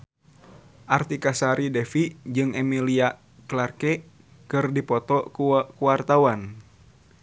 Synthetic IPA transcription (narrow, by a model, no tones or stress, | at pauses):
ʔart̪ikasaɾidɛfid͡ʒɨŋɛmilia | klarkɛ | kɨrdipɔt̪ɔkukuwart̪awan